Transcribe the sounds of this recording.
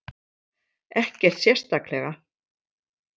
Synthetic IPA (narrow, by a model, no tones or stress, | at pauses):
ɛhcɛr̥t̪sjɛrst̪aklɛɣa